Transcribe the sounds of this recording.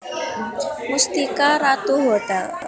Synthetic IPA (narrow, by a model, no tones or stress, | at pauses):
must̪ikaɾat̪uɦoɖal